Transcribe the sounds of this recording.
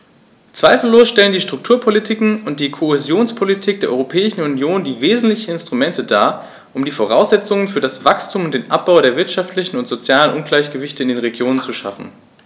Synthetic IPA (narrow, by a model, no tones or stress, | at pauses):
t͡sv̥aɪfl̩loːsʃtɛləndiːʃtʁ̥ʊk̚tʰuːɐpʰolitʰikŋ̩ʊnt̚d̥iːkʰohezjoːnspʰolitʰiːk̚d̥eːɐʔɔʁopʰɛːɪʃn̩unjoːndiːveːzn̩tlɪçn̩ɪnstʁ̥umɛntʰədaːɐ | ʔʊmdiːfoʁ̞aʊsz̥ɛt͡sʊŋənfyːɐɾasv̥akstʰuːmʊntd̥eːnʔap̚b̥aʊɾeːɐvɪɐtʃaftʰlɪçn̩ʊntz̥ot͡sjaːlənʔʊnɡlaɪçɡ̥əvɪçtəɪndeːnʁeɡjoːnənt͡suʃa̰fn̩